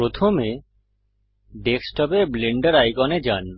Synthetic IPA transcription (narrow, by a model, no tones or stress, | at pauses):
ɾot̪ʰome | ɖeksʈɔbebleɳɖaɾajkɔned͡ʑan